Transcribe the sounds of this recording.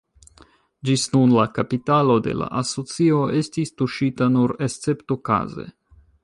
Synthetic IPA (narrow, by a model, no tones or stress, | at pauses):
d͡ʒisnunlakapitalo̞de̞̰la̰ʔaso̞t͡sio̞e̞stistuʃitanuɾe̞stt͡se̞ptoka̰ze̞̰